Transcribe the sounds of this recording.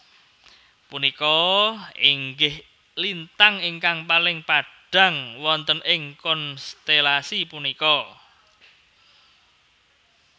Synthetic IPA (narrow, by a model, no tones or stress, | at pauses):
punikɔ | iŋɡɪh | lint̪aŋiŋkaŋpalɪŋpaɖ̥ä̤ŋwɔnt̪ənɪŋkɔnst̪elasipunikɔ